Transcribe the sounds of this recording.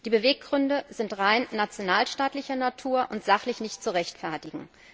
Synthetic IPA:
d̥iːbəveːk̚ɡ̥ʁʏndəzɪntʁaɪnːat͡sjonaːlʃtaːtlɪçɐnatʰuːɐʔʊntz̥aχlɪçnɪçtt͡suʁɛçtfɛɐtɪɡŋ̩

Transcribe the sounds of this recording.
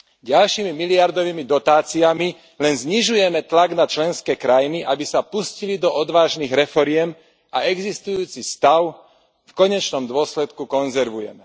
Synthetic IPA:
ɟalʃimimiliaɾd̪ɔʋiːmid̪ɔt̪aːt͡siami | lɛnzɲiʒujɛmɛt̪laɡnat͡ʃlɛnskɛːkɾajniʔabisapuscilid̪ɔɔd̪ʋaːʒniːɣɾɛfɔɾɪɛm | a̰ɛɡzist̪ujuːt͡sist̪aʊ | fkɔɲɛt͡ʃnɔmd̪ʊɔslɛt̪kukɔnzɛɾʋujɛmɛ

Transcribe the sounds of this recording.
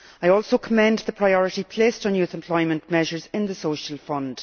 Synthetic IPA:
aɪɔːlˠsokʰəmɛ̃nðəpʰɹ̥aɪɔɹɪtipʰl̥eːstn̩jʉːθɛ̃mpʰl̥ɔɪmə̃nʔmɛʒə˞zɪ̃nðəsoʃəlˠfʌ̃nd̥

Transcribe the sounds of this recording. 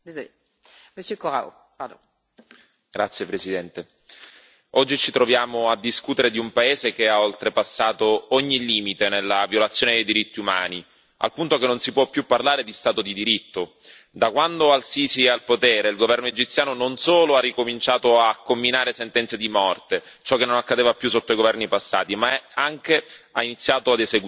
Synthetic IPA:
d̪ez | məsjøkoʁa̰o̰ | ad̪o̰ | ɡ̥ɾat̪sːjepɾesid̪ɛnt̪e | ɔd͡ʒːit͡ʃit̪ɾovjaːmoad̪ːiskut̪eɾed̪iumpaeːzek̟eaolt̪ɾepasːaːt̪oɔɲːiliːmit̪enelːavjolat̪sːjoːned̪ejd̪iɾit̪ːiuma̰ːni | a̰lpunt̪okenːonsipwɔpːjupːarlaːɾed̪ist̪aːt̪od̪id̪iɾit̪ːo | d̪akwand̪oalsiːsialpot̪ɛːɾeilɡovɛrnoed͡ʒit̪sjaːnononsoːloarːikomint͡ʃaːt̪oakːomːinaːɾesent̪ɛnt̪sed̪imɔrt̪e | t͡ʃɔkːenːonakːad̪eːvapjusːot̪ːoaiɡovɛrnipasːa̰ːt̪imaaŋk̟eainit̪sːjaːt̪oad̪ezeɡ

